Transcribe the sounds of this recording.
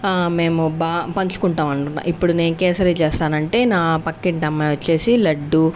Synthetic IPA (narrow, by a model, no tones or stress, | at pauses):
me̞ːmubaːpɐɲt͡ʃu̥kuɳʈaːmɐɳʈunːa̰ːʔipːuɽune̞ːnukeːsɐɾeːt͡ʃeːst̪aːnɐɳʈe̞ːnaːpɐkːiɳʈɐmːɐːjʋɐt͡ʃːe̞ːsilɐɖːu